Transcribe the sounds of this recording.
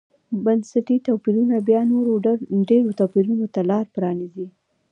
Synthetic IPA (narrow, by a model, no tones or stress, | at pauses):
bansaʈit̪apiɾunabjɑnoɾoɖeɾot̪apiɾunot̪alɑɾpɾɑnizi